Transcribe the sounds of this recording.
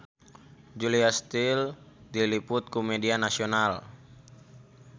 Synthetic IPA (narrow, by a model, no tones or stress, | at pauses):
d͡ʒuliast̪ildilipʊt̪̚kumɛdianasiɔnal